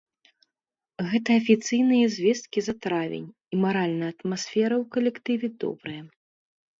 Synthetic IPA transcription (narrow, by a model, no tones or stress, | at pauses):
ɣɛt̪ɐɐfʲit̪sɨjnɨjɐzʲvʲɛst̪̚kʲizɐt̪ɾavʲḛnʲ | imaɾalʲnɐjɐt̪masʲfʲɛɾɐwkɐlʲɛkt̪ɨvʲɛd̪ɔ̰bɾɨjɐ